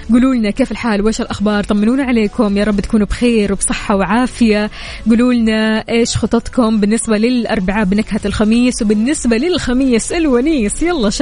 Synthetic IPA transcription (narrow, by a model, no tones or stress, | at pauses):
ɡuːluːlnakeːfɪlħaːlwʔeːʃɪlʔaxbɑːɾˤt̪ˤɑmːɪnuːnaʕaleːkʊmjɑːɾˤɑbːt̪kuːnubxeːɾwɪbsˤɨħːɑwʕaːfɪja | ɡuːluːlnaʔeːʃxʊt̪ˤːɑt̪ˤkʊmbɪnːɪsbalɪlʔɑ̰ɾˤbaʕabɪnakhalxamiːswbɪnːɪsbalɪlxamiːsʔɪlwaniːsjɑlˤːɑːʃ